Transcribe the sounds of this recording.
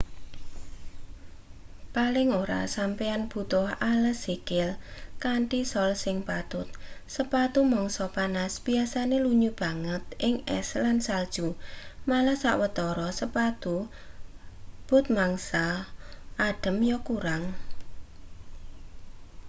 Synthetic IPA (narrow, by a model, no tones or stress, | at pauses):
palɪŋoɾa̰sampeanb̥ṳt̪ʊhaləsikɪlkaɳʈisɔlsɪŋpat̪ʊt̪̚səpat̪umɔŋsɔpanasb̥iasaneluɲub̥a̤ŋət̪ʔɪŋɛ̰slansald̥ʒ̥umalahsaʔwət̪ɔɾɔsəpat̪u | b̥ʊ̤t̪̚maŋsa | ʔaɖ̥ə̤mjɔkuɾaŋ